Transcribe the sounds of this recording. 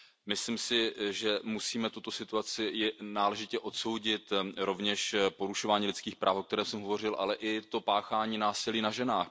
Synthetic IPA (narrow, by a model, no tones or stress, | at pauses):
mɪslimsɪʒɛmusiːmɛt̪ut̪o̞sɪt̪uat͡sɪjɛnaːlɛʒɪcɛʔo̞t̪so̞wɟɪt̪ɾo̞vɲɛʃpo̞ɾuʃo̞vaːɲiːlɪt͡skiːxpɾʔaːfokt̪ɛɾɛːmsɛmɦovo̞r̝ɪlʔa̰lɛʔɪt̪o̞paːxaːɲiːnaːsɪliːnaʒɛnaːx